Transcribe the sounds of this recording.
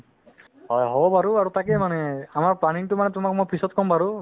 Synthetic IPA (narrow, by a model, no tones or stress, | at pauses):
ɦɔjɦɔbɔpaɹuaɹutak̬ɛmanɛamaɹpanintʊmanɛtʊmak̚mojpʰisɔt̚kɔmpaɹu